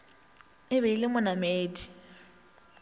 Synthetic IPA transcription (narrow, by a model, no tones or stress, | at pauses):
ɪβeilɪmʊnameːdi̥